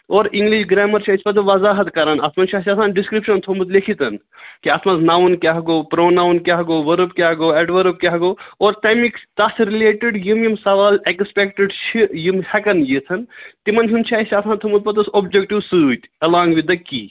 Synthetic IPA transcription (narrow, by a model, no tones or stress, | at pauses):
oːɾiŋɡliʃɡɾeːmɐɾt͡ʃʰaispɐt̪̬ɐʋɐzaːɦɐt̪kɐɾɐnɐsmɐnt͡ʃʰaɦsʲɐt̪ʰaːnɖiskɾipʃɐnt̪ʰomut̪lekʰit̪ɐn | kiɐsmɐnznaːʋunkʲaɦɐɡoːpɾoːnaːʋnkʲaɦɐɡoːʋɐɾɨpkʲaːɦɐɡoːɛɖʋɐɾɨp̚kʲaɦɐɡoːoːɾt̪ɐmikst̪ɐsɾileːʈiɖjimjimsɐʋaːlekspek̚ʈɨɖt͡ʃʰijimhɐkɐnjit̪ʰɐnt̪imɐnɦunt͡ʃʰaːisɐt̪ʰãːnt̪ʰumut̪̚pɐt̪usobd͡ʒek̚ʈiʋsɨːt̪ʲɐlaːŋɡʋid̪ɐkḭː